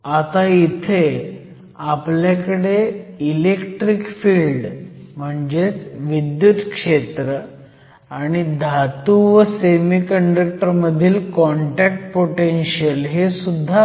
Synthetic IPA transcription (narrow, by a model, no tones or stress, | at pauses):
at̪ait̪ʰe | apljakəɽeilekʈɾikfilɖm̤əɳd͡ʑet͡sʋid̪jut̪kʂet̪ɾə | aɽ̃id̪ʱat̪uʋəsemikəɳɖək̚ʈəɾməd̪ʱiːlkɔɳʈak̚ʈ̚poʈenɕiəlɦesud̪ʱːa